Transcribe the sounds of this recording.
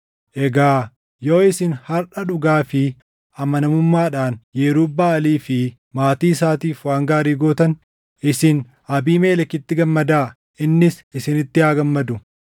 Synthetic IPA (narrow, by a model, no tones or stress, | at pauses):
ʔɛɡaː | jo̞ːɪsɪnhɐɾᶑɐᶑʊɡaːfɪ | ʔɐmɐnɐmʊmːaːᶑaːnjeːɾʊbːaːɐliːfɪ | maːt̪iːɪsaːt̪iːfwaːŋɡaːɾiːɡoːt̪ɐn | ʔɪsɪn | ɐbiːmeːlɐkːɪt̪ːɪɡɐmːɐd̪aː | ɪnːɪsɪsɪnɪt̪ːɪaːɡɐmːɐd̪ʊ